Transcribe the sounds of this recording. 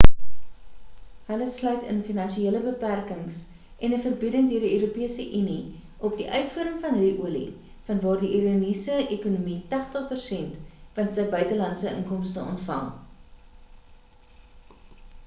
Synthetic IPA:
ɦələslœɥtə̰nfinɐnʃieələbəpærkəŋs | ʔɛnəfərbidəŋdøərdiøːɾupiəsəʔyni | ʔɔp̚diʔœɥtfuəɾəmfɐnɦidiʔuəlḭ | fɐnvɑːrdiʔiɾunisəʔekunumitɑχtəχpərsɛntvɐntsəjbœɥtəlɐnsəʔə̰ŋkɔmstəɔ̰ntfɐ̰ŋˠ

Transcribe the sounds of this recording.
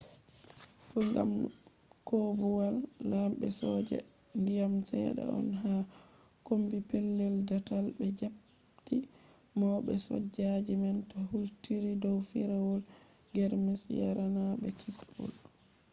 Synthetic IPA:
pɔŋɡa̰m | kobuwalːamɓɛsɔd͡ʒɛ̰ | ndijamsɛ̰ɗa̰ɔ̰nɦa | kombipɛlːɛldatalbɛd͡ʒap | ti | mɔːɓɛsɔ̰d͡ʒːad͡ʒimɛntɔhultiɾidɔwfiɾawɔl | ɡɛɾmisja̰ɾanaɓɛkʰipʰːɔ̰l

